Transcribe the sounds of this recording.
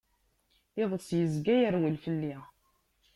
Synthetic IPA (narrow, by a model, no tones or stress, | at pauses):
ɪðˤəsjəzɡæjəɾwəlfəlːi